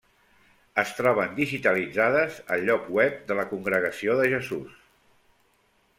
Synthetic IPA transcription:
əst̪ɾɔβ̞ənd̪iʒit̪əlid͡zaðəzə̰ʎːɔkwɛp̚d̪ələkuŋɡɾəɣ̞əsioðəʒəzus

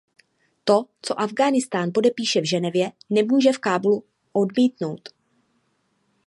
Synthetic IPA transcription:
t̪o̞t͡so̞ʔavɡaːnɪst̪aːnpo̞dɛpiːʃɛvʒɛnɛvjɛnɛmuːʒɛfkaːblu | ʔo̞dmiːt̪no̞wt̪

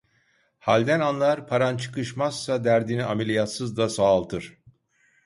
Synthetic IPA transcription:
halʲd̪ænanlˠaɾpʰaɾant͡ʃʰɯ̥kɯʃmazsad̪æɾd̪iniamelʲijat̪sɯzd̪asaːlˠt̪ʰɯɾ̥

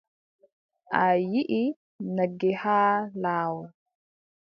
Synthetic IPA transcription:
ʔajiʔi | naɡːɛhaːlaːwɔ

